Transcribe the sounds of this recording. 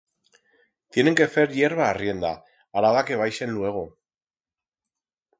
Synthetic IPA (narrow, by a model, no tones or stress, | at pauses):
t̪jeneŋke̞feɾjeɾβaːrie̞nd̪a | aɾaðake̞βajse̞nlue̞ɣ̞o